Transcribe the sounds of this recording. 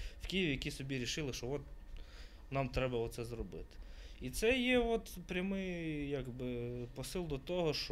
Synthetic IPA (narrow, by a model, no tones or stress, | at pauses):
wkʲijiʋʲijɐkʲisɔbʲiɾʲiʃɪlˠɪʃt͡ʃɔʋɔt̪̚ | nɑmt̪ɾɛbɐɔt̪sɛzɾɔbɪ̰t̪ɪ̥it̪sɛjɛʋɔt̪pɾʲɐmɪjjaɡbɪpɔsɪlˠd̪ɔt̪ɔɦɔʃ